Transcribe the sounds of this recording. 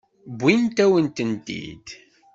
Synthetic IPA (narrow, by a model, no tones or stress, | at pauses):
bʷint̪æwənt̪ənt̪ḭd̪̥